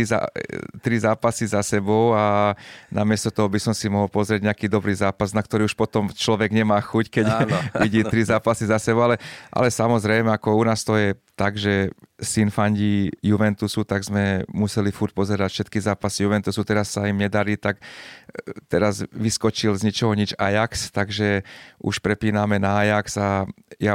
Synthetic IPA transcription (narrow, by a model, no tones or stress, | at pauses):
ia̰t̪ɾizaːpasizasɛbɔʊanamɪɛst̪ɔt̪ɔɦɔbisɔmsimɔɦɔlpɔzɾɪɛɟɲɛakiːd̪ɔbɾiːzaːpaznak̚t̪ɔɾiːuʃpɔt̪ɔmt͡ʃlɔʋɛɡɲɛmaːxuckɛɟʋiɟiːt̪ɾizaːpasizasɛbɔʊalɛʔa̰lɛsamɔzɾɛjmɛakɔunaːst̪ɔjɛt̪aɡʒɛsinfaɲɟijuʋɛnt̪usut̪aɡzmɛmusɛlifuɾc̚pɔzɛɾacfʃɛt̪kizaːpasijuʋɛnt̪usut̪ɛɾasːaimɲɛd̪aɾiːt̪ak | t̪ɛɾazʋiskɔt͡ʃilzɲit͡ʃɔɦɔɲid͡ʒa̰jakst̪aɡʒɛʔṵʃpɾɛpiːnamɛnaːjaksa | ja